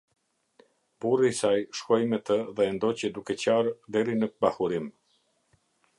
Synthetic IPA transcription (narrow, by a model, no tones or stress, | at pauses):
burisajʃkɔjmɛt̪əðɛːnd̪ɔcəd̪ukɛt͡ɕaɾd̪ɛɾinəbahuɾim